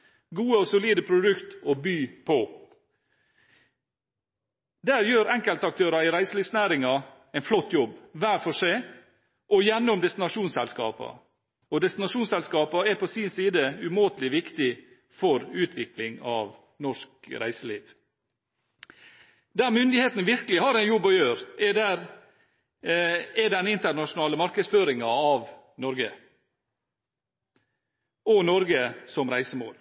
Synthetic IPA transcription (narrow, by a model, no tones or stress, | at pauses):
ɡuːəɔsʊliːd̪əpʰɾʊd̪ʉkt̪oːbyːpʰɔ | d̪æːɾjøːɾɛŋkəlt̪ɑk̚t̪ʰøːɾɑɪɾæɪsəliːʋsnæːɾɪŋɑ | æɪnflɔt̪ːjɔbːʋæːɾfɔʂæɪ | ʔɔjɛnːʊmd̪ɛst̪ɪnɑʂuːnsɛlskɑ̰ːpɑ̰ | ɔd̪ɛst̪ɪnɑʂuːnsɛlskɑːpɑæpɔsiːnsiːd̪əʉmoːt̪lɪʋɪkt̪ɪ | fɔɾʉːt̪ʰʋɪklɪŋɑːʋ | nɔʂkɾæ̰ɪsəlḭːʋ | d̪æɾmʏnd̪ɪheːt̪n̩ʋɪɾkəlɪhɑɾæɪnjɔbːɔjøːɾɛdæɾ | ɛd̪ɛnːɪnt̪əɾnɑʂʊnɑːləmɑɾkəd̪sføːɾɪŋɑɑʋ | nɔɾɡə | ɔnɔɾɡəsɔmɾæɪsəmo̰ːl